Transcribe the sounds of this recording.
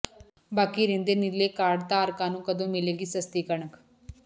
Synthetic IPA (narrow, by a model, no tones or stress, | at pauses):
baːkiːɾẽːnd̪eːnɪleːkaːɖt̪aːəɾkãːnũːkəd̪õːmɪleːɡiːsəst̪iːkəɳək